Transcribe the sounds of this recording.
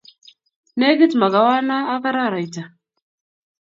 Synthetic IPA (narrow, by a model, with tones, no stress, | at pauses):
ne˦ɡi˦t̪ma˨ɡa˨wa˦na˦a˦ka˦ɾa˦˨ɾa˨jta˨